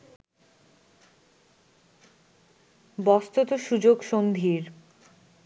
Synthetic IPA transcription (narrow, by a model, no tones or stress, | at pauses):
bɔst̪ot̪oʃud͡ʑoɡʃond̪ʱiɾ